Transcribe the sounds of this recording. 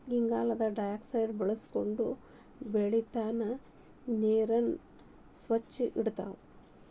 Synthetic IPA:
ɡiŋɡaːlɐd̪ɐɖɐjaːksɐjɖbɐɭɐsko̞ɳɖu | beɭit̪aːnɐ | neːɾɐn | sʋɐt͡ʃːiʔiɽt̪a̰ːʋu

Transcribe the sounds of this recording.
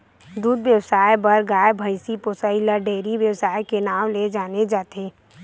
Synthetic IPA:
d̪uːd̪wjəwsaːjbɐɾɡaːjbʱəɪsipʊsəiləɖeːɾiʋjəwsaːjkenaːwled͡ʒaːned͡ʒaːt̪eː

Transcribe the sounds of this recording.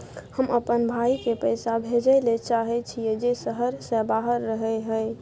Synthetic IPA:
həməpənbʱaikepəɪsabʱed͡ʒəlet͡ʃaɦɛt͡ʃʰijed͡ʒesəɦəɾsẽbaɦəɾːəɦɛɦəj

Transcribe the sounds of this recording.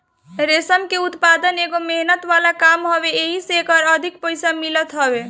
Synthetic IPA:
ɾesəmkeut̪pad̪əneɡomeɦnət̪ʋalakamɦɔβeeɦisekəɾəd̪ʱik̚pəjsamilət̪ɦəbe

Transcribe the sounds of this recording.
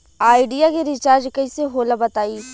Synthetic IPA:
aːɪɖijakeɾɪt͡ʃaːɾd͡ʒkɐiseɦoːlabɐt̪aːi

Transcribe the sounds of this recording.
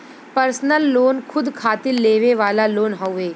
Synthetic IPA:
pəɾsnəlːoːnkʰʊd̪kʰaːt̪ɪlːeːʋeʋaːlaloːnɦɔʊeː

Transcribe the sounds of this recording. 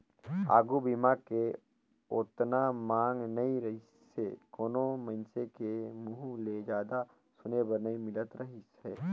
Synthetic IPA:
a̰ːɡubimake | oːt̪namãːŋɡnɐĩɾɐɦɪ | sekoːnomɐnsekemʊɦuled͡ʒaːd̪a | sʊnebɐɾnɐimɪlət̪ɾɐɦɪsɛː

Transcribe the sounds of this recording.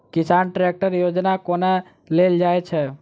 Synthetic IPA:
kɪsaːnʈɾek̚ʈəɾjod͡ʒnakona | leld͡ʒaet͡ʃʰɛ

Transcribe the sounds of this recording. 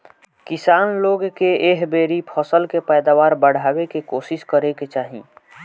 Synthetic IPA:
kɪsaːnloːɡkeeːɦbeːɾipʰɔsəlkepɛːd̪aːʋaːɾbəɽ̤aːwekekoːsɪskəɾeket͡ʃaːɦḭ̃

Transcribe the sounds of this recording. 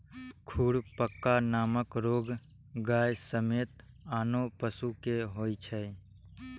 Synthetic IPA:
kʰuːɽpəkːanaːməkɾoːɡ | ɡaːjsəmeːt̪ | aːnopəsukeɦoːit͡ʃʰɛ

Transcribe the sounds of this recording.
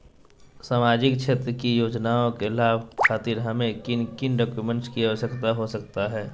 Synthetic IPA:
saːmaːd͡ʒɪkʃʰeːt̪ɾəkijoːd͡ʒnaːõkelaːbkʰaːt̪ɪɾɦɐmẽkɪnkɪnɖaːkjumẽɳʈskiaɦosɐkt̪aɦosɐk̚t̪aɦɛː

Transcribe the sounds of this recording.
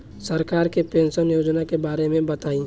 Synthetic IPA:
sɐɾkaːɾkepẽːnʃənjoːd͡ʒnakebaːɾemẽbɐt̪aːĩː

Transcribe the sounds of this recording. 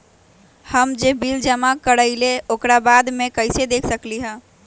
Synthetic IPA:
həmd͡ʒebild͡ʒəmakəɾəɪleokɾabad̪mekəɪsed̪ekʰsəkliɦə̃

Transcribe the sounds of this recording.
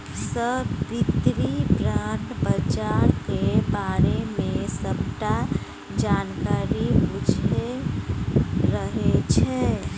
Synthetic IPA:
səbbid̪ɾibɾaʈbəd͡ʒaɾkebaɾemẽsəbʈa | d͡ʒankaːɾibud͡ʒʱe | ɾəɦet͡ʃʰɛ

